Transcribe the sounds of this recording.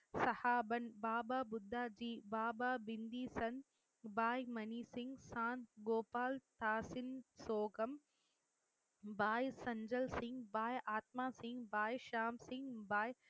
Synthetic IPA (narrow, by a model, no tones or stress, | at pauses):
sɐhaːbɐnbaːbaːbʊd̪ʱːaːd͡ʒiːbaːbaːbind̪iːsɐn | baːjmɐniːsiŋɡsãːnt̪ɡoːpaːlt̪aːsinsoːɡɐm | baːjsɐɲd͡ʒɐlsiŋɡbaːjaːt̪̚maːsiŋɡbaːjʃaːmsĩŋɡbaːj